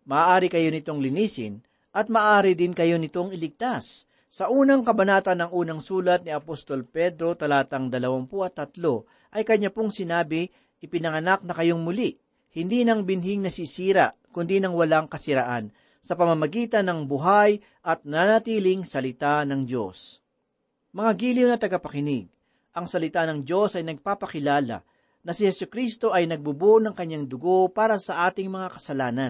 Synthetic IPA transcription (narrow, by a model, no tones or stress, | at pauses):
mɐʔaːʔaːɾɪkɐjo̞nɪt̪o̞ŋlɪniːsɪ̰n | ʔɐt̪̚mɐːʔaːɾɪd̪ɪnkɐjo̞nɪt̪o̞ŋɪlɪɡ̚t̪asː | ɐʔuːnɐŋkɐbɐnaːt̪ɐnːɐŋʔuːnɐŋsuːlɐt̪̚niɐpost̪o̞lpɛd̪ɾo̞t̪ɐlaːt̪ɐŋd̪ɐlɐwaŋpoʔɐt̪ːɐt̪lo̞ | ʔɐjkɐɲːapoŋsɪnaːbɪ | ʔɪpɪnɐŋɐnak̚nɐkɐjo̞ŋmʊli | hɪnd̪inɐŋbɪnɦɪŋnɐsisiːɾɐkʊnd̪inɐŋwɐlaŋkɐsɪɾɐʔan | sɐpɐmɐmɐɡiːt̪ɐnːɐŋbʊɦaj | ʔɐt̪̚nanɐt̪iːlɪŋsɐlɪt̪anɐŋd͡ʒo̞̰s | mɐŋaɡilionɐt̪ɐɡɐpɐkɪnɪɡ̚ | ʔɐŋsɐlɪt̪anɐŋd͡ʒo̞sɐjnɐɡ̚paːpɐkɪlaːlɐ̰ | nɐsɪhɛsʊkɾist̪o̞ʔɐjnɐɡ̚bʊbonɐŋkɐɲːaŋd̪ʊɡo̞paːɾɐsɐʔaːt̪ɪŋmɐŋakɐsɐlaːnɐn